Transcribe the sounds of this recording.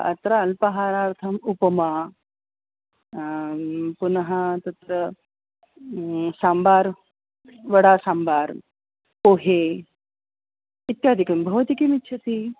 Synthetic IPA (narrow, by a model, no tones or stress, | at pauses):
ɐ̰t̪ɾaɐlpɐɦaːɾaːɾt̪ʰɐmupɐmaː | punɐɦɐt̪ɐt̪ɾɐ | saːmbaːɾ | ʋɐɽaːsaːmbaːɾ | poːɦeː | it̪jaːd̪ʱikɐmbʱɐʋɐt̪ikimitːʃʰɐt̪iː